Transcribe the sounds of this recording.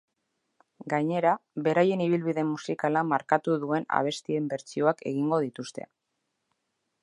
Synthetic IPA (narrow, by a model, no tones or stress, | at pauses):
ɡaɲe̞ɾaβe̞ɾaje̞niβ̞ilβiðe̞musikalamaɾkat̪uðue̞na̰β̞e̞st̪ie̞mbe̞ɾt͡sio̞ake̞ɣ̞iŋɡo̞ð̞it̪ust̪e̞̰